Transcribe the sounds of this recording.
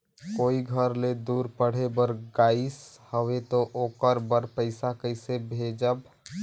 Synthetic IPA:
koːiɡʱəɾled̪uːɾpəɽ̤ebəɾɡaːɪshəʋet̪oʔoːkəɾbəɾpəɪsakəɪsebʱeːd͡ʒəb

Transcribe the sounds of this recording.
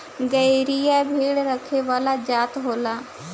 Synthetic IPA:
ɡəiɾijabʱeːɽɾəkʰeʋaːlad͡ʒaːt̪ɦoːlaː

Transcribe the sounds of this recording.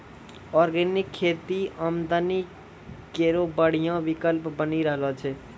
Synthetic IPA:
ɔɾɡenikʰːet̪iamd̪ani | keɾobəɽ̤ijãbikəlpbəniɾəɦlɔt͡ʃʰɛ

